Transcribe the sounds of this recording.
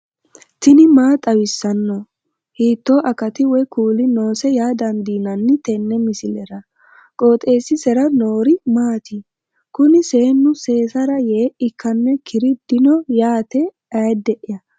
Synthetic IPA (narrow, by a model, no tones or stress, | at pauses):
t̪ɪnɪmaːt̪ʼɐwɪsːɐnːɔ | hiːt̪ːoːʔɐkɐt̪ɪwɛkuːlɪno̞ːsɛjaːd̪ɐnd̪iːnɐnːɪt̪ɛnːɛmɪsɪlɛɾɐ | kʼo̞ːt̪ʼe̞ːsːɪsɛɾɐno̞ːɾɪmaːt̪i | kʊnɪseːnːʊse̞ːsɐɾɐjeːʔɪkʰːɐnːɛkʰɪɾɪd̪̥ɪnɔjaːt̪ɛ | ɐjd̪ɛʔɪjɐ